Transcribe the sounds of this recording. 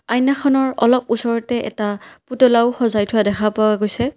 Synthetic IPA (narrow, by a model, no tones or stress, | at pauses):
ajnːaxʰɔnɔɹɔlɔp̚usɔɹɔtɛʔɛ̰taputɔlaʊxɔzajtʰʊwadɛxʰapawaɡojsɛ